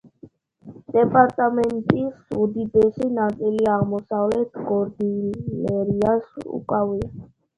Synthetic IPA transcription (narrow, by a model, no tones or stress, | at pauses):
d̪̥ɛpʼaɾt̪ʼamɛnt̪ʼisud̪id̪ɛsinat̪sʼiliaʁmɔsavlɛt̪ʰɡɔɾd̪ilɛɾiasṵkʼavia